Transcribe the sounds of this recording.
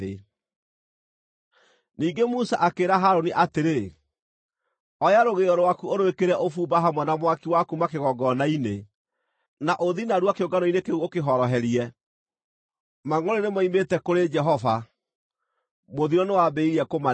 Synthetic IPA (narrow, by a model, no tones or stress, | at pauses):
e | niːɡemusaʔakeɾaɦaɾoniʔateɾe | ɔjaɾoɣeɔɾowakuoɾoekeɾɛʔofuːbaɦamwɛnamwakiwakumakeɣɔɡɔnaine | naʔoðinaɾuakeoŋɡanɔinekeuokeɦɔɾɔɦɛɾiɛ | maŋoɾenemɔimetɛkoɾed͡ʒɛɦɔva | moðiɾɔnewabeiɾɛkoma